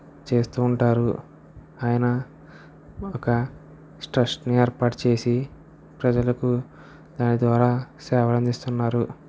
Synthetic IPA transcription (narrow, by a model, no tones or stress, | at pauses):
t͡ʃe̞ːst̪uːɳʈaːɾṵ | aːjɐnɐ | ɔkɐ | sʈɾɐʂʈneːɾpaːʈt͡ʃe̞ːsi | pɾɐd͡ʒɐlɐku | d̪aːnid̪ʋaːɾaːsɛːʋɐlɐnd̪ist̪unːaːɾu